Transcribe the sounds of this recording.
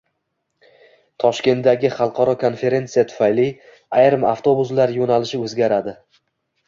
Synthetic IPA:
t̪ʰɒʃkʲe̞nt̪ːaɡʲɪχɑlˠqʰɒɾɒkʰo̞nfe̞ɾe̞nt̪sijat̪ʰʊ̥fajli | ajɾɪma̰ft̪ʰo̞bʊzlaɾjonalɪʃɪɵzɡʲaɾad̪ɪ

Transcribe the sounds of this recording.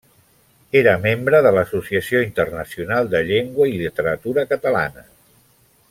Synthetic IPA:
eɾəmembɾəðələsusiəsioint̪ərnəsiunalˠd̪əʎeŋɡwəilit̪əɾət̪uɾəkət̪əla̰nə

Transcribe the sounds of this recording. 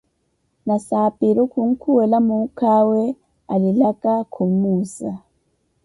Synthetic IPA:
nasapiɾukuŋ̩kʰuwɛlamukʰawɛ | alilakakʰumusa

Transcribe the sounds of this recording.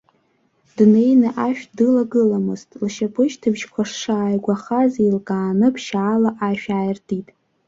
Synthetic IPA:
dne̞jnɨʔaʃᶣdɨlaɡɨlamɨztʼlʃapʰɨʃtʰɨbʒkʷʰaʂʂaːjɡʷaχazilkʼaːnɨpʰʃaːlaʔaʃᶣaːjrtʰitʼ

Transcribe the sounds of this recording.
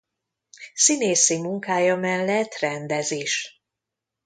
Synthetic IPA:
sineːsimuŋkaːjɒmɛlːɛt̪rɛnd̪ɛzeːʃ

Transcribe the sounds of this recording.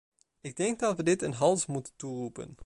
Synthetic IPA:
ɪɡ̚dɛŋɡ̚dɑtʋədɪtənɦɑlˠsmutənturupə̰n

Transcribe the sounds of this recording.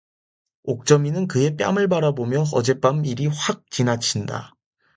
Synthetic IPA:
ok̚t͡ɕ͈ʌminɯnkɯe̞p͈ja̰mɯɭbaɾabomjʌʌd͡ʑe̞p͈amiɾiɸwak̚t͡ɕinat͡ɕʰinda̰

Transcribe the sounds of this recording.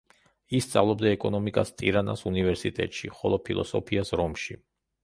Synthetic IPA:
ist̪sʼa̰vlˠɔbd̪aɛkʼɔnɔmikʼast̪ʼiɾana̰sunivɛɾsit̪ʼɛ̰t̪ʼʃiχɔlˠɔpʰilˠɔ̰sɔpʰiasɾɔmʃi

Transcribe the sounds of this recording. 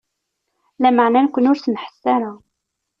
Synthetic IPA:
læməʕnænkʷənʊɾθənħə̥sːaɾa

